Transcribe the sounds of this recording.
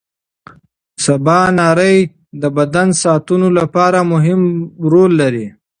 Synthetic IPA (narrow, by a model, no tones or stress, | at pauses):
sabɑnɑɾəj | d̪əbad̪ansɑːt̪unolapɑɾamʊɦɪmɾolːaɾi